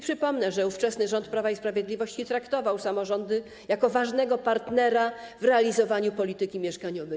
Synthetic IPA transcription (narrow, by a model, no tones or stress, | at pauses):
pʂɘpɔmnɛʐɛuft͡ʂɛsnɘʐɔnt̪pɾavaispɾavʲjɛd̪lʲivɔɕt͡ɕit̪ɾakt̪ɔvawsamɔʐɔnd̪ɘ | jakɔvaʐnɛɡɔpaɾt̪nɛɾavɾɛalʲizɔvaɲupɔlʲit̪ɘkʲimʲjɛʂkaɲɔvɛ